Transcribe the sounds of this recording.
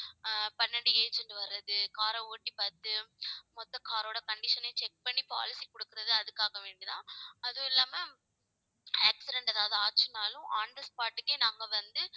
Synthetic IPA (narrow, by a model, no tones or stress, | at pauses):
pɐnːɐɽieːd͡ʒɛɳɖʋɐɾːɐðɯkaːɾɐoːʈːipɐːɾt̪ːɯmɔt̪ːɐkaːɾoːɽɐkɐɳɖɪʂɐnɐt͡ʃɛk̚pɐɳːipa̰ːlɪsikɔɽɯkːɯɾɐðɯɐðɯkːaːɣɐʋeːɳɖiðãːɐðõɪlːaːmɐ | ɐːksɪɖɛɳʈɐðaːʋɐðɯaːt͡ʃːɯnaːlʊ̃ʔaːɳɖɐspaːʈːɯkːeːnaːŋɡɐʋɐnd̪ɯ